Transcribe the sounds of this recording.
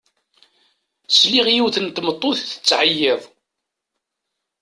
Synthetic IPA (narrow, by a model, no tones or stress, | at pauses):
sliʁjiwθənt̪mət̪ˤːoθθə̥t͡sːʕəjːɪðˤ